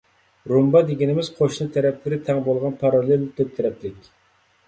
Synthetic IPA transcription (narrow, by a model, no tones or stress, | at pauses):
ɾumbɑd̪eɡʲinɪmɪz̥qʰoʃnɨt̪ʰɛɾɛplɪɾɪt̪ʰɛŋbolˠʁɑnpʰɑɾɑlˠɪlt̪ʰøp̚t̪ʰɪɾɛp̪̚lɪkʲ